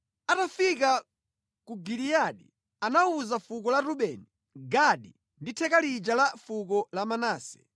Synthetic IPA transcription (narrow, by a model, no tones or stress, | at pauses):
atafika | kuɡilijaɗi | anauzafukɔlaɾuɓɛni | ɡaɗi | nditʰɛkalid͡ʒalafuk̬ɔlamanaːsɛ̥